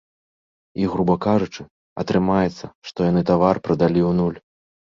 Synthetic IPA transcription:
iɣɾubɐkaʐut͡ʂɨ | ɐ̰t̪ɾɨmajɛt̪sːɐʂt̪ɔjanɨt̪avarpɾɐd̪alʲiwnulʲ

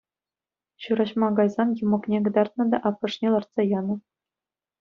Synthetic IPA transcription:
ɕuɾɑɕmɑɡɑjzɑnjumɤ̆knʲeɡɤ̆d̪ɑrt̪̚nɤ̆d̪ɑʔɑpːɤ̆ʂnʲelˠɑrt̪sɑjɑnɤ̆

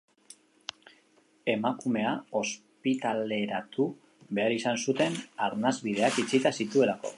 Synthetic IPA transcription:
e̞makume̞ao̞s | pit̪ale̞ɾat̪u | βe̞aɾisansut̪e̞naɾnazβið̞e̞akit͡sit̪asit̪ue̞lako̞̰

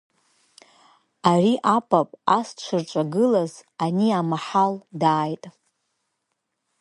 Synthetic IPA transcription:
ariʔapʼapʼast͡ʃʷʰɨrʈ͡ʂʷʼaɡɨlazaniamaħaldaːjtʼ

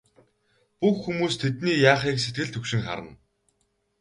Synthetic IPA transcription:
puxːumuːst̪ʰet̪niːjaːχiːkset̪̚ɡɘ̆ɮt̪ʰɵkʃɪ̆ŋχa̰ɾə̰̆n

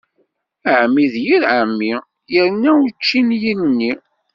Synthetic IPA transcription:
əʕmːiðjiɾʕəmːi | jəɾnːæwut͡ʃːinjinnːi

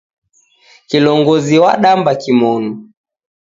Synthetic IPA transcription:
kilɔŋɡɔziwaɗambakimɔnu

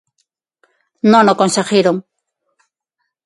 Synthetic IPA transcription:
nonokonseχɪɾoŋ

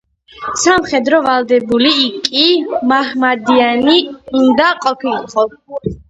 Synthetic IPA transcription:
samχɛd̪ɾɔvald̪ɛbuliːkʼimahmad̪ianiund̪aqʼɔpʰiliqʼɔ

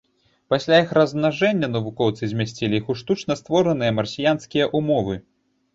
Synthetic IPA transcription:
pasʲlʲajixrɐznaʐɛnʲːɐnɐvukɔwt̪sɨzʲmʲasʲt͡sʲilʲiixuʂt̪ut͡ʂnɐst̪vɔɾɐnɨjɐmɐrsʲijanskʲijɐʔumɔvɨ

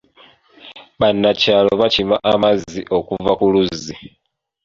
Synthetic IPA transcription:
βanːacaːlo̞βacimaʔamaziʔo̞kuvakuluzi

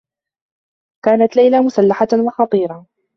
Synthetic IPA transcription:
kaːnat̪lajlamʊsalːaħawɑxɑt̪ˤiːɾˤɑ

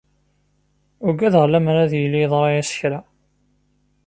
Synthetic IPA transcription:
ʊɡæðʁlːæmɾæðjəlːiðˤɾˤɑjæsə̥çɾæ

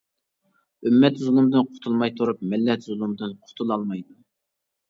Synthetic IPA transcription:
ymːɛt̪zulˠɨmd̪ɨnqʰʊ̥t̪ʰulˠmɑjt̪ʰuɾup̚mɪlːɛt̪zulˠɨmd̪ɨnqʰʊ̥t̪ʰulˠɑlˠmɑjd̪u

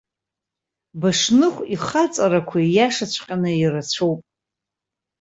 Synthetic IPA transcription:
baʂnɨχʷiχat͡sʼaɾakʷʰajaʂat͡ɕʷʰqʲʼanɨirat͡ɕʷʰowpʼ

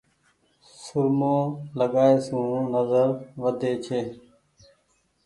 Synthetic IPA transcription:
sʊɾmõːləɠaːeːsũːnəzəɾʋəd̪eːt͡ʃʰeː

